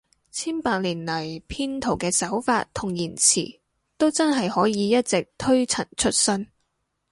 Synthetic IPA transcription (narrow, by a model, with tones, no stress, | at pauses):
t͡sʰiː˥npaː˧k̚liː˨˩nlɐ˨˩jpʰiː˥nt̪ʰo˨˩wkɛː˧sɐ˨˥wfa̰ː˧t̚t̪ʰʊ˨˩ŋjiː˨˩nt͡sʰḭː˨˩ | t̪o˥wt͡sɐ˥nɦɐ˨jhɔː˨˥jiː˨˧jɐ˥t̚t͡sɪ˨k̚t̪ʰɵ˥ɥt͡sʰɐ˨˩nt͡ʃʰɵ˥t̚sɵ˥n